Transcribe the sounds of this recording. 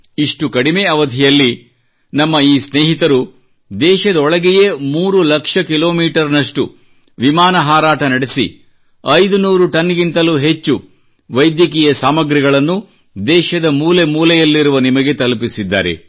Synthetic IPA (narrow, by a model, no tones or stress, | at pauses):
iʂʈukɐɽimeːɐʋɐd̪ʱijɐlːi | nɐmːɐiːsneːɦit̪ɐɾu | d̪ɛːʃɐd̪ɐɔɭɐɡɛje̞muːɾulɐkʂɐkilo̞ːmiːʈɐɾnɐʂʈu | ʋimaːnɐɦaːɾaːʈɐnɐɽesḭ | ɐjd̪unuːɾuʈɐnːɡint̪ɐluɦe̞t͡ʃːu | ʋɐjd̪jɐk̬iːjɐsaːmɐɡɾiɡɐɭɐnːu | d̪ɛːʃɐd̪ɐmuːle̞muːlɛjɐlːiɾuʋɐnimɐɡe̞t̪ɐlupisid̪ːa̰ːɾe̞̰